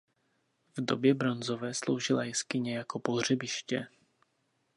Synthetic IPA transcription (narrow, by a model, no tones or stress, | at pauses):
vdo̞bjɛbɾo̞nzo̞vɛːslo̞̰wʒɪlajɪskɪɲɛjako̞po̞r̝ɛbɪʃcɛ